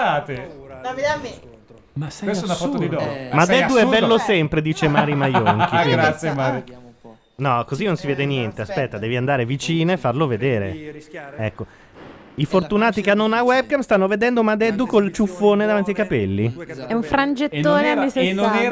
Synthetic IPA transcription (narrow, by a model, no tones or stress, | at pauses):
aːt̪elaveame | wesɛnaffɔt̪ːod̪id̪ɔmad̪ɛd̪uɛbːɛlːosɛmpɾed̪iːt͡ʃemaːɾimajoŋk̟ikwiɾdasːjemaɾi | nɔkozinːõnsivɛːd̪enjɛnt̪easpɛt̪ːad̪ɛːviand̪aːɾevit͡ʃiːnoefːarloved̪eːɾḛ | ɛkːo | ifort̪unaːt̪ikeanːonawɛb̚kamst̪anːoved̪ɛnd̪omad̪ɛd̪ːukolt͡ʃufːoːned̪avant̪̬iajkapɛlːiɛuɱfɾand͡ʒet̪ːoːneamːisenːonɛ